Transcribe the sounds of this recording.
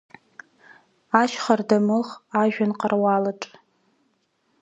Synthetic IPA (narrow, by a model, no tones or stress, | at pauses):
aʃχardamɨlχaʒᶣanqʼarwalaʈ͡ʂʼ